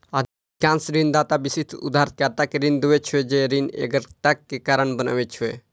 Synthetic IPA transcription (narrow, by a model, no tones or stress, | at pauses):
ad̪ | kãnsɾind̪aːt̪abisit̪ʰṵd̪ʱaːɾt̪kat̪akeɾind̪uʋet͡ʃʰued͡ʒeɾinḛɡəɾt̪akːekaɾəɳbəna̰ʋet͡ʃʰue